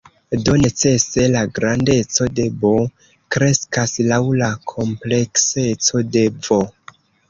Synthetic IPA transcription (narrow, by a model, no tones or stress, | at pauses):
do̞ne̞t͡se̞se̞laɡɾande̞t͡so̞de̞bo | kɾe̞skaslawlakʰo̞mple̞kse̞t͡so̞de̞vo̞